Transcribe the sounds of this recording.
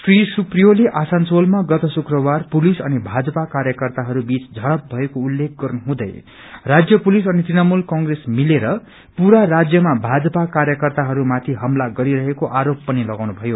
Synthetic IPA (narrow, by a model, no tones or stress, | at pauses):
srisuprijoleʔasansolmaɡʌt̪ʌsukrʌwarpulisʌ̰nibʱad͡zʌpakaɾjʌkʌrt̪aɦʌɾubit͡sd͡zʱʌɽʌp̚bʱʌekoulːek̚ʰɡʌrnuɦũd̪ʌ̰j | rad͡zjʌpulisʌnit̪rinamulkʌŋɡresmileɾʌ | puɾarad͡zjʌmabʱad͡zʌpakarɾjʌkʌrt̪aɦʌɾumat̪ʰiɦʌmlaɡʌɾiɾʌɦekoʔaɾopːʌnilʌɡaw̃nubʱʌjo